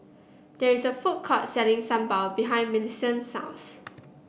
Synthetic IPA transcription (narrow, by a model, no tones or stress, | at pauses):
dɛɹisəfut̚kʰɔt̚sɛlĩŋsãmbaʊbiɦãɪ̃nminisə̃nsã̰ʊ̃ns